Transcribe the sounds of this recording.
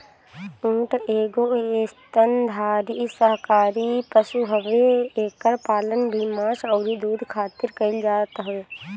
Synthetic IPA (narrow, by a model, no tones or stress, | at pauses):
ũːʈʰeːɡoeːst̪ənd̪ʱaːɾisəɦkaːɾipəsuɦəʋeeːkəɾpaːlənbʱimãːʃɔːɾid̪uːd̪ʱkʰaːt̪ɪɾkəɪld͡ʒaːt̪ɦoe